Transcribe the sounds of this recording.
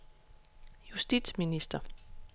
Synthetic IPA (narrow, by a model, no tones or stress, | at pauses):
jusd̥id̥sminisd̥ɐ